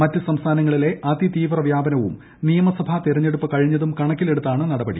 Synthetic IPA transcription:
mɐtːɨsɐmst̪ʰaːnɐŋːɐɭile̞ʔɐd̪it̪iːʋrɐʋjaːbɐnɐʋṵm | nijɐmɐsɐbʱɐt̪iɾɐɲːe̞ɽupːɐkɐɻiɲːɐðumkɐɳɐkːile̞ɽut̪ːaːɳɨnɐɽɐbɐɽḭ

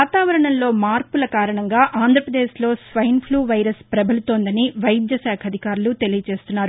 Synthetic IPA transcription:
ʋaːt̪aːʋɐɾɐɳɐnlo̞ːmaːɾpulɐkaːɾɐɳɐŋɡaːʔaːnd̪ʱɾɐpɾɐd̪eːʃlo̞ːsʋɐjɐnpʰluːʋɐjɾɐspɾɐbɐlut̪oːnd̪ɐniʋɐjd̪jɐsaːkʰɐd̪ʱikaːɾulut̪e̞lijɐt͡ʃe̞ːst̪unːaːɾu

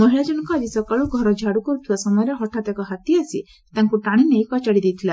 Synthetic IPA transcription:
mɔɦiɭad͡ʒɔnɔŋkuad͡ʒisɔkaɭuɡʱɔɾɔd͡ʒʱaɽukɔɾut̪ʰibasɔmɔjɔɾjɔɦɔʈʰat̪akɔɦat̪iasi | t̪aŋkuʈaɽ̃inejkɔt͡ʃaɽid̪ejt̪ʰila

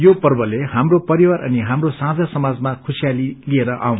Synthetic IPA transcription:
jopʌrbʌleɦamropʌɾiwaɾʔʌ̰niɦamrosãd͡zasʌmad͡zmakʰusijalilieɾʌʔa̰w̃n

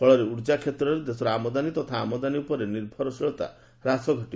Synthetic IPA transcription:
ɔɭɔɾeuɽd͡ʒakʰet̪ɾɔɾed̪esɔɾamɔd̪anit̪ɔt̪ʰaːmɔd̪aniupɔɾeniɾbʱɔɾɔsiɭɔt̪a̰ | ɾasɔɡʱɔʈi

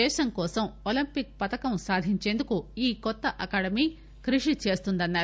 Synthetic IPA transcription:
ɛːʃɐŋkɔːsɐmolimpik̚pɐt̪ɐkɐmsaːd̪ʱiɲt͡ʃe̞ːnd̪ukuiːkɔt̪ːɐʔɐkaːɽɐmiː | kɾiʂit͡ʃe̞ːst̪und̪ɐnːaːɾ

